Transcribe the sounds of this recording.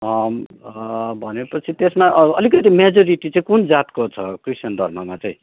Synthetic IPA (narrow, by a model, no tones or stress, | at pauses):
ʌ | bʱʌnepʌt͡sʰit̪esmaʔʌlik̬ʌt̪imed͡zʌɾiʈit͡sʌĩkund͡zat̪kot͡sʰʌkrisjʌnd̪ʱʌ̰rmʌmat͡sʌĩ